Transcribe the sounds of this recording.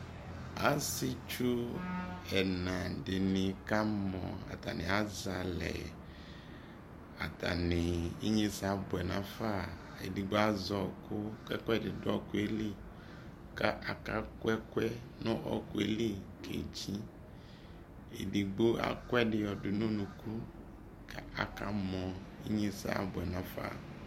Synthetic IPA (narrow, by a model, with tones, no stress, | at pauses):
a˦sɪ˦t͡ʃu˦ | ɛ˨nã˨dɪ˨nɪ̃˨ka˦mɔ̰̃˨a̰˨t̪a̰˨nɪ̰̃˨a˦za˨lɛ̰˨ | a˨ta̰˨nɪ̃˨i˦ɲĩ˦sa˦bʊ˨ɛ˨nã˨fa˦˨ | ḛ˨di˨ɡ͡bo˦a˦zɔ˨kʰʊ˦kɛ˦kɛ˦dɪ˨dʊ˦ɔ˦kʊ˦e˦li˦ | ka˦ʔa˨ka˦kwɛ˦kwɛ˦ | nɔ̃˦ʔɔ̰˦ku˦e˦li˦kḛ˨d͡ʒĩ˦ | ḛ˨di˨ɡ͡bo˦a̰˦kwɛ˦ɖɪ˨jɔ˨dʊ˨nũ˦nũ˨ku˦ | ka˦a̰˨ka˦mɔ̃˨i˦ɲĩ˦sa̰˦a̰˨bʊ˨ɛ˨nã˦fa̰˦˨